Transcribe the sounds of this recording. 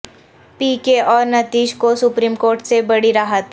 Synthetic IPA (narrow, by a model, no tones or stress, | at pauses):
piːkeʔɔːɾnɐt̪iːʃkosʊpɾiːmkoːɾʈsebɐɽiɾaːɦət̪